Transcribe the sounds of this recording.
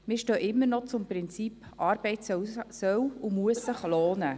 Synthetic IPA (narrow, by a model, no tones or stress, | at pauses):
mɪʃtøːʔɪmːəɾnɔt͡sʊmpɾɪnt͡sipʔɑːɾbɛɪtsœwsœwʊmuəsːəχloːnə